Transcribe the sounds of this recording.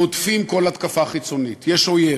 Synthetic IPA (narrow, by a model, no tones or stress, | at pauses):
otfimko̞lat̪kafaχit͡so̞nitjeʃoje